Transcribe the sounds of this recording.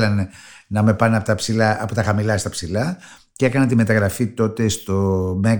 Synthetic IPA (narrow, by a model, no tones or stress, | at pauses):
lɐnenɐme̞pɐnɐpot̪ɐpsilɐpot̪ɐxɐmilɐst̪ɐpsilɐ | cee̞kɐnɐnt̪ime̞t̪ɐɣɾɐfit̪o̞t̪e̞st̪o̞me̞